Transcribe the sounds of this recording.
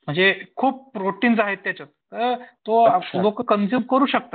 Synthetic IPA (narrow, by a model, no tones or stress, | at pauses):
m̤əɳd͡zekʰuːp̚pɾoʈiːnsaɦet̪ːjat͡sət̪̚t̪əɾt̪olokəkənsibkəɾuːɕək̚t̪a